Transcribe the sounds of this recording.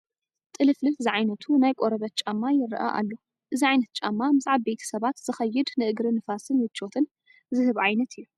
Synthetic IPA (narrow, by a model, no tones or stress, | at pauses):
t̪ʼɨlɨflɨfziʕajnɐt̪ʰunajkʼoɾɐβɐt̪̚t͡ʃʼamːajɪɾʔa̰ʔa̰lːo | ʔɨziʕajnɐt̪̚t͡ʃʼamːamɨzʕabbet̪ʰɐ̥sɐβat̪z̥ɨxɐjːɨd̪nɨʔɨɡɾɨnɨfasɨnwɪt͡ʃːot̪ʰɨn | zɨhɨβʕajnɐt̪ʰɨjːu